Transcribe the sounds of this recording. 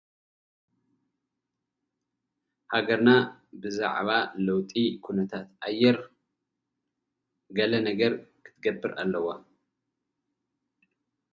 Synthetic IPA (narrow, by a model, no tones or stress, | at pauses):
haɡɐɾnabɨza̰ʕβalɐwt̪ʼikʰunɐt̪ʰat̪ʔajːɛɾ | ɡɐlɐnɐɡɐɾkʰɨ̥t̪ʰɡɐbːɨɾʔa̰lːɐwa